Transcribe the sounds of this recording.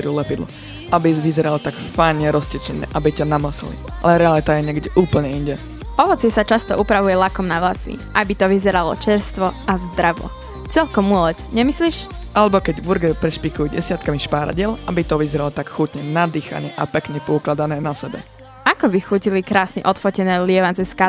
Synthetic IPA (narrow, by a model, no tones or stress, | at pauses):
ɾulɛpid̪lɔ̰ | ʔabiʋizɛɾalt̪akfajɲɛɾɔscɛt͡ʃɛnɛ̰ːʔabicanamasɛ̰lḭʔa̰lɛɾɛalit̪ajɛɲɛɡɟɛʔuːpl̩ɲɛinɟɛ | ɔʋɔt͡sɪɛsat͡ʃast̪ɔʔupɾaʋujɛlakɔmnaʋlasḭʔabit̪ɔʋizɛɾalɔ̰t͡ʃɛɾst̪ʋɔazd̪ɾaʋɔ̰ | t͡sɛʎkɔmulɛt̪ɲɛmisliːʃ | ʔalɛbɔkɛɟʋuɾɡɛpɾɛʃpikujuɟɛ̰sɪat̪kamiʃpaːɾa̰ɟɪɛlabit̪ɔʋizɛɾalɔt̪akxuːcɲɛnad̪iːxa̰ɲɛ̰ʔa̰pɛkɲɛpɔuklad̪anɛːnasɛbɛ̰ | akɔbixuːcilikɾaːsɲɛ̰ʔɔt̪fɔcɛnɛːlɪɛʋant͡sɛska